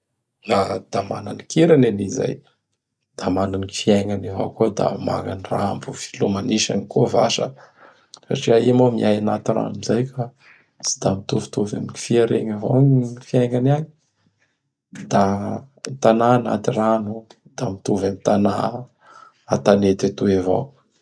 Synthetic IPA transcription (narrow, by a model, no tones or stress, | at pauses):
lad̪̥amananikʰiɾaneniza̰j | d̪̥amananiifiaŋaneva̰kud̪a̰ma̰ɡaniraambuv̥i̥lumaniʃa̰nikova̰ʃə | sa̰ʈ͡ʂiaimomiajanat̪ira̰nuzajka | t͡si̥d̪amit̪uvu̥t̪uva̰mii̥fiaɾḛɲavo̰ifiaŋanaɲi̥ | d̪̥a | nt̪anana̰t̪iranu | d̪̥amit̪uvamit̪ana | at̪anet̪at̪uevo̰